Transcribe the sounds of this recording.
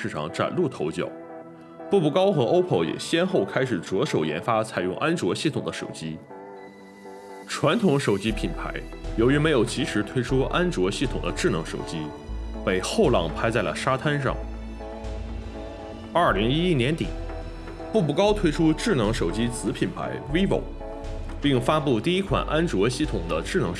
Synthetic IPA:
ɻ̩˥˩ʈ͡ʂʰɑ̰˨˩ŋʈ͡ʂa̰˨˩nlu˥˩t̪ʰo˧˥ʊt͡ɕjɑ̰˨˩˦ʊ | pu˥˩pu˥˩kɑ˥ʊxɤ˧˥ʔo˥ʊpʰo˧˩ʊjɛ̰˨˩ɕjɛ˥nxo˥˩ʊkʰa˥ɪʂɻ̩˨˩t͡swɔ˧˥ʂo˨˩ʊjɛ̰˧˥nfa˥t͡sʰa˨˩ɪʊ˥˧ŋʔa˥nt͡swɔ˧˥ɕi˥˩t̪ʰʊ˨˩ŋd̪ə˦ʂo̰˨˩ʊt͡ɕi˥ | ʈ͡ʂʰwa˧˥nt̪ʰʊ˧˥ŋʂo˨˩ʊt͡ɕi˥pʰi˨˩npʰa̰˧˥ɪjo˧˥ʊy˧˥me˧˥ɪjo˨˩ʊt͡ɕʰi˧˥ʂɻ̩˧˥t̪ʰwe˥ɪʈ͡ʂʰu˥ʔa˥nt͡swɔ˧˥ɕi˥˩t̪ʰʊ˨˩ŋd̪ə˦ʈ͡ʂɻ̩˥˩nɤ˧˥ŋʂo˨˩ʊt͡ɕi˥ | pe˨˩ɪxo˥˧ʊlɑ̰˥˩ŋpʰa˥ɪt͡sa˥˩ɪlə̰˩ʂa˥t̪ʰa˥nʂɑ̰˥˩ŋ | ɐ˞˥˩li˧˥ŋi˥i˥njɛ˧˥nt̪ḭ˨˩˦ | pu˥˩pu˥˩kɑ˥ʊt̪ʰwe˥ɪʈ͡ʂʰu˥ʈ͡ʂɻ̩˥˩nɤ˧˥ŋʂo˨˩ʊt͡ɕi˥t͡sɹ̩˧˥pʰi˨˩npʰa̰˧˥ɪwe˥ɪpo̰˨˩˦ | pi˥˩ŋfa˥pu˥˧t̪i˥˩i˥kʰwa̰˨˩nʔa˥nt͡swɔ˧˥ɕi˥˩t̪ʰʊ˨˩ŋd̪ə˦ʈ͡ʂɻ̩˥˩nɤ˧˥ŋ

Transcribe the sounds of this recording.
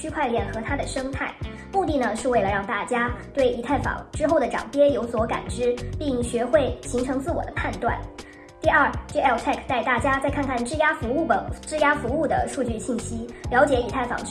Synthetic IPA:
t͡ɕʰy˥kʰwa˥˧ɪljɛ˥˩nxɤ˧˥t̪ʰa˥d̪ə˨ʂɤ˥ŋt̪ʰa˥˩ɪ | mu˥˧t̪i˥˩nə˩ʂɻ̩˥˧we˥˩ɪlə˩ɻɑ˥˧ŋt̪a˥˩t͡ɕja˥t̪we˥˩ɪi˧˥t̪ʰa˥˩ɪfɑ̰˨˩˦ŋʈ͡ʂɻ̩˥xo˥˩ʊd̪ə˩ʈ͡ʂɑ̰˨˩ŋpjɛ˥jo˧˥ʊswɔ˧˥ka̰˨˩nʈ͡ʂɻ̩˥pi˥˩ŋɕɥɛ˧˥xwe˥˩ɪɕi˧˥ŋʈ͡ʂʰɤ˧˥ŋt͡sɹ̩˥˩wɔ̰˨˩d̪ə˦pʰa˥˧nt̪wa̰˥˩n | t̪i˥˧ɐ˞˥˩ʈ͡ʂɤ˥˩ɛ˥˩lt̪ʰɛ˥˩kʰt̪a˥˧ɪt̪a˥˩t͡ɕja˥t͡sa˥˧ɪkʰa˥˧nkʰa˥˩nʈ͡ʂɻ̩˥ja˥fu˧˥˩ə˨˩ʈ͡ʂɻ̩˥˧ja˥fu˧˥u˥˩d̪ə̰˩ʂu˥˧t͡ɕy˥˧ɕi˥˩nɕi˥ljɑ˧˥ʊt͡ɕjɛ˧˥i˧˥t̪ʰa˥˩ɪfɑ̰˨˩ŋ

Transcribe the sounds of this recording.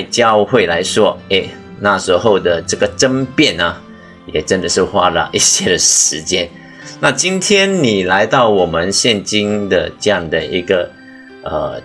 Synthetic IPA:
ɪt͡ɕjɑ˥˧ʊxwe˥˩ɪla˧˥ɪʂwɔ˥e˥˩ɪ | na˥˩ʂɻ̩˧˥xo˥˩ʊd̪ə˩ʈ͡ʂɤ˥˩ɡə˩ʈ͡ʂə˥npjɛ˥˩nə˩ | jɛ˨˩ʈ͡ʂə˥nd̪ə˨ʂɻ̩˥˧xwa̰˥lə̰˨ʔi˧˩ɕjɛ˥d̪ə˨ʂɻ̩˧˥t͡ɕjɛ˥n | na˥˧t͡ɕi˥nt̪ʰjɛ˥nni˨˩la˧˥ɪt̪ɑ˥˩ʊwɔ˨˩mə˧˦nɕjɛ˥˧˩nt͡ɕi˥nd̪ə̰˨ʈ͡ʂɤ˥˧jɑ˥˩ŋd̪ə˩i˧˥ɡə˨ | ə̰˩

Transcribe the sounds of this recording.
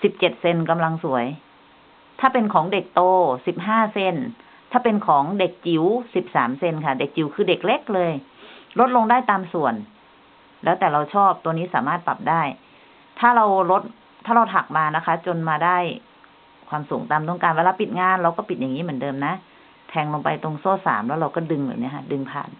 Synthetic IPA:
si˨˩p̚t͡ɕe˨˩t̪̚se˧nka˧mla˧ŋsu˩˦əj | t̪ʰaː˥˩pe˧nkʰɔː˩˦ŋde˨˩k̚t̪oː˧si˨˩p̚ɦaː˥˩se˧˩n | t̪ʰaː˥˩pe˧nkʰɔː˩˦ŋde˨˩k̚t͡ɕi˨˩˦wsi˨˩p̚saː˩˦mse˧nkʰa˥˩de˨˩k̚t͡ɕi˨˩˦wkʰɯː˧de˨˩k̚le˦˥k̚lɤː˧jlo˦˥t̪̚lo˧ŋdaː˥˩jt̪aː˧msu˨˩ən | lɛː˦˥t̪ɛː˨˩ɾa˧wt͡ɕʰɔː˥˩p̚t̪u˧əniː˦˥saː˩˦maː˥˩t̪̚pa̰˨˩p̚daː˥˩j | t̪ʰaː˥˩ɾa˧wlo˦˥t̪̚ʰ | aː˥˩ɾa˧wt̪ʰa˨˩k̚maː˧na˦˥kʰa˦˥t͡ɕo˧nmaː˧daː˥˩j | kʰwaː˧msuː˩˦ŋt̪aː˨˧mt̪ɔ˥˩ŋkaː˧nweː˧laː˧pi˨˩t̪̚ŋaː˧nɾa˧wkɔː˥˩pi˨˩t̪̚ja˨˩ŋːiː˦˥mɯ˩˦ndɤː˧mna˦˥ | t̪ʰɛː˧ŋlo˧ŋpa˧jt̪o˧ŋsoː˥˩sa̰ː˩˦mlɛː˦˥wɾa˧wkɔː˥˩dɯ˧ŋja̰˨˩ni˦˥kʰa˧˥˩dɯ˧ŋpʰa̰ː˧˩n

